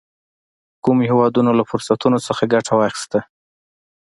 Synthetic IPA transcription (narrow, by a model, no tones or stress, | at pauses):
kumhewɑd̪unolafʊɾsat̪unot͡səxaɡaʈʰawɑxi̥st̪a